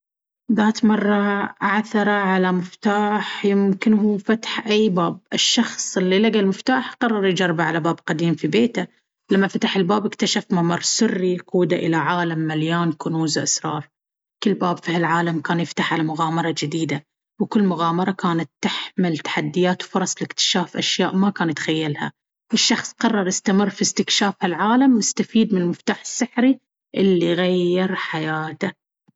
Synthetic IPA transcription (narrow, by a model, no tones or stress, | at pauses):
ðaːt̪mɑrˤːɑʔaʕθɑɾˤɑʕalamɪft̪aːħjɪmkɪnhuːfat̪ħʔajːbaːb̚ʔɪʃːɑxsˤɪlːilaɡalmɪft̪aːħqɑrˤːɑɾˤjd͡ʒɑrˤːbaʕalabaːbqad̪iːmfibeːt̪a | lamːafat̪aħɪlbaːbɪkt̪aʃafmamɑɾˤsʊrːiquːd̪aʔɪlaʕaːlamːaljaːnkʊnuːzʔa̰sɾˤɑ̰ːɾˤ | kɪlːbaːbfihalʕaːlamkaːnjɪft̪aħʕalamʊɣaːmɑɾˤɑd͡ʒɪd̪iːd̪a | wkɪlːmʊɣaːmɑɾˤɑkaːnat̪ːɪħmɪlt̪ḁħad̪ːɪjaːt̪wfʊɾˤɑsˤlɪkt̪ɪ̥ʃaːfʔaʃjaːʔmakaːnt̪xajːalha̰ | ʔɪʃːɑxsˤqɑrˤːɑɾˤjɪst̪amɪrːfist̪ɪkʃaːfhalʕaːlamːɪst̪afiːd̪mɪnlmɪft̪aːħɪ̥sːɪħɾi | ʔɪlːiɣajːɪɾħajaːt̪a